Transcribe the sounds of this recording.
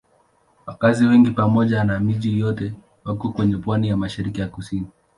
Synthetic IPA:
wakaziwɛŋɡipamɔʄanamiʄijɔtɛ | wakɔkwɛɲɛpwanijamaʃiɾikijakusini

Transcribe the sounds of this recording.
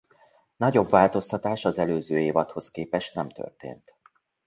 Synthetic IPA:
nɒɟo̞bvaːlt̪o̞st̪ɒt̪aːʃɒzɛløːzøːeːvɒt̪ho̞skeːpɛʃt̪nɛmt̪ø̰rt̪ḛːnt̪

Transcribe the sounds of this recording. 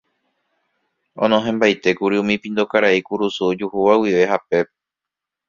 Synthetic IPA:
õ̰nõɦẽmbajt̪e̞kuɾiũmĩpĩnd̪okaɾaikuɾusud͡ʒuhuʋawiʋe̞ɦape̞pe

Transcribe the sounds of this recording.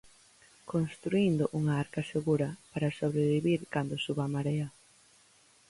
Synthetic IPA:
konst̪ɾuind̪ʊʔuŋaaɾkɐseɣuɾɐpaɾɐsoβɾeβiβiɾkand̪ʊsuβamaɾeɐ

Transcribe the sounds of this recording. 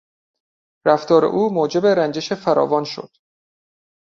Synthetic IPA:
ræft̪ɒːɾḛʔuːmoːd͡ʒe̞be̞ɾænd͡ʒe̞ʃefæɾɒ̰ːvɒːnʃo̰d̪̥

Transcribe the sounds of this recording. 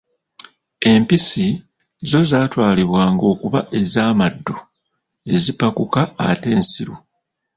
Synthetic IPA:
e̞mpisi | zo̞zaːtwaːliβwaːŋɡo̞ːkuβaʔe̞zaːmadːo | e̞zipakukaːte̞ːnsiɾo

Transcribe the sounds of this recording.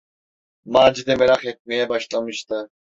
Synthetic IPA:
maːd͡ʒid̪ɛmeɾaχɛt̪̚mɛjɛbɑʃlˠamɯʃt̪ɨ

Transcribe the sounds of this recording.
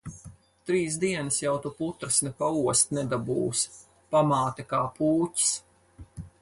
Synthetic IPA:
t̪ɾiːsd̪iɛnɨsjawt̪uput̪ɾɨsnɛpauɔst̪nɛd̪abṵːs | pamaːt̪akaːpʰuːci̥s

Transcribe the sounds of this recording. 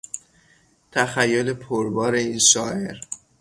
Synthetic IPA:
t̪ʰæxæjːole̞pʰoɾbɒːɾe̞iːnʃɒːʔe̞ɾ

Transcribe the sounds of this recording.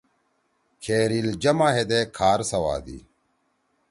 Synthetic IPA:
kʰeːɾild͡ʑɐmaːɦed̪ekʰaːɾsɐwa̰ːd̪ḭ

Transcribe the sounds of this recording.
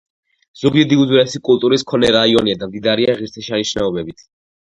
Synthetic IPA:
z̥ɔɡɛd̪iuzwiɾɛsikʼulˠt̪ʼuɾiskʰɔnɛɾaiɔniad̪amd̪id̪aɾiaʁiɾt̪sʰɛʃaniʃnaɔbɛbit̪ʰ

